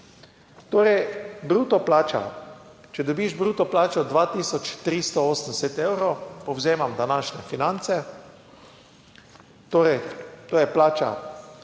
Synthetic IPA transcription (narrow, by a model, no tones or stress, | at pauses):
t̪oːɾɛjbɾuːt̪ɔplaːt͡ʃa̰ | t͡ʃɛd̪ɔbiːʒbɾuːt̪ɔplaːt͡ʃɔd̪ʋaːt̪iːsɔt͡ʃt̪ɾist̪ɔɔːsənd̪ɛsɛt̪ewɾopɔwzeːmamd̪anaːʃnʲɛfinant̪sɛ | t̪oːɾɛjt̪oːjɛplaːt͡ʃa̰